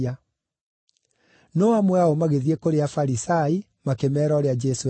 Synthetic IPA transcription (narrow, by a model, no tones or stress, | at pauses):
a | nɔamwɛaomaɣeðiekoɾeafaɾisai | makemɛːɾɔɾead͡ʒɛso